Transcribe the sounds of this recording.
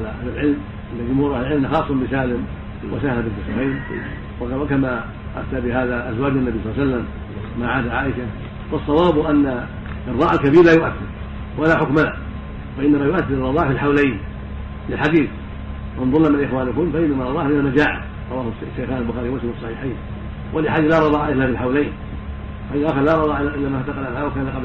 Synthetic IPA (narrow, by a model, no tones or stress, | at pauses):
laʔahlɪlʕɪlm | ɪnːad͡ʒʊmhuːɾʔahlɪlʕɪlmaxɑːsˤːɑmbɪsaːlɪm | wasahalafɪlkɪsɑfiːn | wkama | ʔaft̪abɪhaːðaʔazwaːd͡ʒanːabijsˤɑlːasalːam | maʕaːd̪aʕaːʔɪʃa | fɑsˤːɑwɑːbʔanːa | ʔrˤːɑːʔalkabiːɾlaːjʊʔaθːɪɾ | walaħʊkmala | faʔɪnːamajʊʔaθːɪɪrˤɾɑðˤɑːʕfilħawlajn | lɪlħaɡ̪iːθ | ɪnðˤʊnnamalʔɪxwaːnʊkʊmfaʔɪnːamaɾˤɑðˤɑːhmɪnamad͡ʒaːʕɪ̰ | ɾˤɑwaːhʊ | ʃːajxaːnalbʊxaːɾiwmʊslad̪ɑsˤːɑħiːħiːn | wʔalɪħaːdlaɾˤɑðˤɑːʕaʔɪθlːaːfilħawlajn | faʔɪnːaʔaxɪɾlaːɾˤɑðˤɑːʕɪaʔɪlːamaat̪ɑqɑlalawakaːnaqɑb